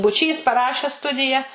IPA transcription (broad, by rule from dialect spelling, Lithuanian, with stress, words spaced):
bʊˈt͡ʃʲiːs pɐˈrɑːʃʲæːs ˈstʊdʲɪjɛ